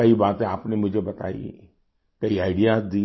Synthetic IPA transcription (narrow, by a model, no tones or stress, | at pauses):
ɐibaːt̪ẽaːpnemʊd͡ʒʱebɐt̪a̰ːḭ | kɐiaːɪɖijad̪iː